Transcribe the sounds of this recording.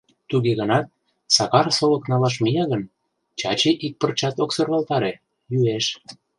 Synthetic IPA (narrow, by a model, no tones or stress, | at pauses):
t̪uɣeɣənɑt̪̚ | sɑɣɑrsoləknɑlɑʃ̬mijɑɣən | t͡ɕɑt͡ɕeʔik̚pərt͡ɕɑt̪oksɤrβɑlt̪ɑɾe | jyeʃ